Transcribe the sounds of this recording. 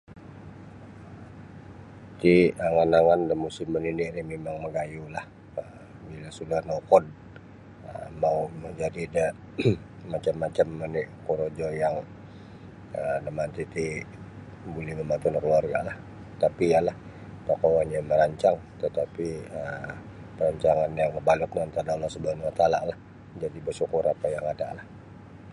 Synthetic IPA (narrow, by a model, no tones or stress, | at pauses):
t̪iəŋanaŋandəmusɪmːəniniʔɾimemaŋməɡajulah | ə | bilasulahnokɔd̚ | əmauməɲd͡ʒadidəː | at͡ʃamːat͡ʃamːəniʔkuɾod͡ʒojaŋ | ənəmant̪it̪i | bolɛhməmant̪unkluarɡa̰ʔlah | t̪apijalah | pakawanjaməɾaɲt͡ʃaŋ | t̪ət̪apiə | pəɾaɲt͡ʃaŋanjaŋəbalʊk̚nant̪ananlasəbanwat̪alaʔlah | d͡ʒadibəsukuɾapajaŋada̰lah